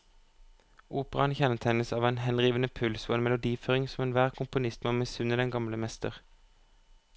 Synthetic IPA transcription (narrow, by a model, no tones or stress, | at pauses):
ʔuːpəʁɑnçɛnət̪ʰæɪnəsɑːʋeːnhɛnʁiːʋənəpʰʉlsoːeːnmɛlʊd̪iːføːʁɪŋsɔmeːnʋæːʁkʰʊmpʊnɪst̪moːmesʉnəd̪ɛŋɡɑmləmɛst̪ə̰ʁ